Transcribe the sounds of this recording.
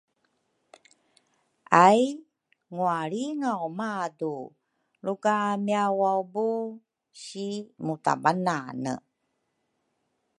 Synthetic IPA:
ʔaj | ŋuaɭiŋawmadu | ɭukamiawawbu | ɕimuta̰bananə̰

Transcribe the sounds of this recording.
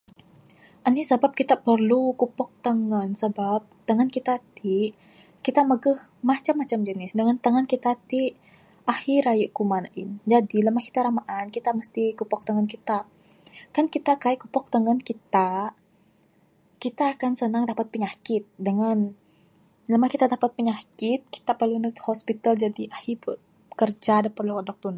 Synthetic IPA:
ʔanisəbap̚kit̪apərlukupɔk̚t̪əŋənsəbap̚t̪əŋənkit̪at̪i | kit̪aməɡəh | mat͡ʃamːat͡ʃamd͡ʒənɪsdəŋant̪əŋənkit̪at̪i | ʔahiɾajəʔkumanaʔɪ̰nd͡ʒadiləmahki̥t̪aɾamaʔankit̪aməst̪ikupɔk̚t̪əŋənkit̪a | kankit̪akaɛʔkupɔk̚t̪əŋənkit̪a | kit̪aːkansənaŋdapat̪̚pəɲakɪt̪̚dəŋan | ləmahkit̪adapat̪̚pəɲakɪt̪̚ki̥t̪apərlunəhospit̪ald͡ʒadiʔahip | kərd͡ʒadapərluadɔk̚t̪un

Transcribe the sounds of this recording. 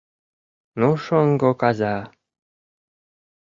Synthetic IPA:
nuʃoŋɡokɑzɑ

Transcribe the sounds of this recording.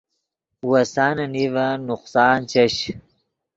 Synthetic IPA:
wasaːnɐnivanʊqsɑːnt͡ɕɐɕ

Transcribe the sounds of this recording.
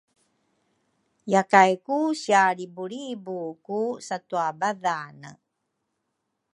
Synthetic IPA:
jakajkusiaɾibuɾibukusatuabaðanə̰

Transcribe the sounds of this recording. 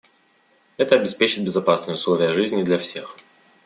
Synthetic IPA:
ɛt̪əɐbʲɪspʲet͡ɕɪt̪̚bʲɪzɐpasnɨjəʊslˠo̞vʲɪjəʐɨzʲnʲɪd̪lʲɐfsʲe̞x

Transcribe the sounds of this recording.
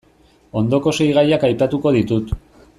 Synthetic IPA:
o̞nd̪o̞ko̞se̞jɣajakajpat̪uko̞ð̞it̪ut̪

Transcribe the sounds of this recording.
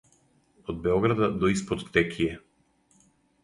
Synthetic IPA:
od̪̚bɛɔɡɾad̪ad̪ɔispot̪kt̪ɛkʰʲiɛ

